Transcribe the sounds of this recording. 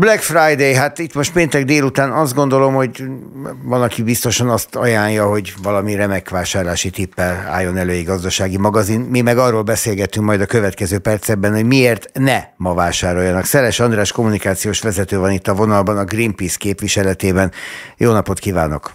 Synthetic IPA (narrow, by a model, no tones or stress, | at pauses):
blɛkfrajd̪ejɦat̪it̪mo̞ʃt̪peːnt̪ɛɡd̪eːlut̪aːnɒzd̪ɡo̞nd̪o̞lo̞mho̞ɟ | vɒnɒkibist̪o̞ʃɒnɒst̪ɒjaːɲjɒɦo̞ɟvɒlɒmirɛmɛkʋaːʃaːrlaːʃit̪ipːɛla̰ːjːo̞nɛløːjiɡɒzd̪ɒʃaːɡimɒɡɒzinmimɛɡɒrːoːlbɛseːlɡɛt̪yŋkmɒjd̪ɒkøvɛt̪kɛzøːpɛrt̪sɛbːɛnho̞ɟmieːrt̪nɛmɒvaːʃaːɾo̞jɒnɒksɛlɛʃɒnd̪raːʃko̞munikaːt̪sijoːʃʋɛzɛt̪øːvɒnit̪ːɒvo̞nɒlbɒnɒɡrimpiskeːpʋiʃɛlɛt̪eːbɛnjoːnɒpo̞t̪kivaːno̞̰k